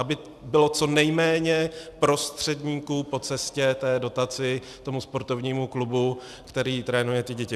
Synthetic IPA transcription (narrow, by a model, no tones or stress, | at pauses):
ʔabɪ | bɪlo̞t͡so̞nɛjmɛːɲɛpɾo̞st̪r̝̥ɛdɲiːkuːpo̞t͡sɛscɛt̪ɛːdo̞t̪at͡sɪ | t̪o̞muspo̞ɾt̪o̞vɲiːmuklubu | kt̪ɛɾiːt̪ɾɛːnujɛt̪ɪɟɛcɪ